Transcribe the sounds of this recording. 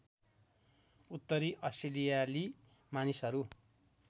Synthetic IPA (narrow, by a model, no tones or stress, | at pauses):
ut̪ːʌɾiʔʌsilijali | manisɦʌɾu